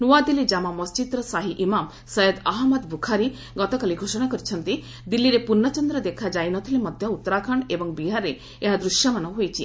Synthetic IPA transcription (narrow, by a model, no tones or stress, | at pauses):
nuad̪ilid͡ʒamamɔst͡ʃid̪ɾɔsaɦiʔimam | sɔjɔd̪aɦmɔd̪bukʰaɾi | ɡɔt̪ɔkaliɡʱosɔɽakɔɾit͡ʃʰɔnt̪i | d̪ilːiɾepunːɔt͡ʃɔnd̪ɾɔd̪ekʰad͡ʒajnɔt̪ʰilemɔd̪ʱjɔut̪ːɔɾakʰaɳebɔŋbiɦaɾe | eɦad̪ɾuʃjɔmanɔɦojt͡ʃʰḭ